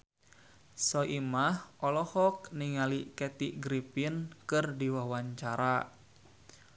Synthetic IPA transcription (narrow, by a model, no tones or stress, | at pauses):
sɔʔimahʔɔlɔhɔk̚niŋalikɛt̪iɡɾipinkɨrdiwawaɲt͡ʃaɾa